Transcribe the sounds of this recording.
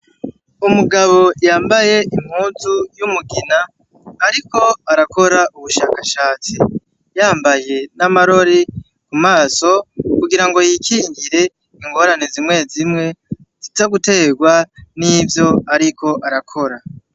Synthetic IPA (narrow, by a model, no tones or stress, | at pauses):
umuɡaβo̞jaːmbaje̞ʔim̥huːzujumuɡinaː | ɾiko̞aɾako̞ɾaʔuβuʃaːkaʃaːt͡si | jaːmbaje̞namaɾo̞ɾi | kumaːso̞kuɡiɾaŋɡo̞jikʰiŋɡiɾe̞ | iŋɡo̞ːɾanezimwe̞ːzimŋe̞ | zitaɡute̞ɡwanivjo̞aɾiko̞ʔaɾakʰo̞ɾa